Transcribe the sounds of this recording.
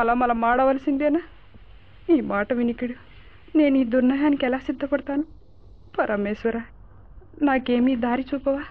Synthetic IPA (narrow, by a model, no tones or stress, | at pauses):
ɐlɐmɐlɐmaːɽɐʋɐlɐsind̪ena | iːmaːʈɐʋinikiɽu | ne̞ːniːd̪uɾnɐjaːnikɛlaːsid̪ʱːɐpɐɽɐt̪aːnu | pɐɾʔɐmeːsɐɾaː | naːke̞ːmiːd̪aːɾit͡ʃuːpɐʋaː